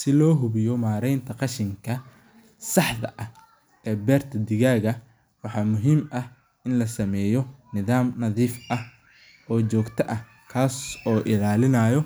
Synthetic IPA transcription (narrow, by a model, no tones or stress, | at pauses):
sɪlɔːɦʊβɪjɔmaːɾɛjnt̪ʰɐqɑʃɪŋkʰɐ | sɑħðɐ̰ʔɐh | ɛːbɛːrt̪ʰɐd̪ɪɣaːɣɐ | wɑħɑːmʊɦiːmʔɐh | ɪnlɐsɐmɛːjɔnɪðaːmnɐðiːfʔɐh | ɔːt͡ʃɔːɡt̪ʰɐʔɐh | kʰaːsɔːʔɪlaːlɪnaːjɔ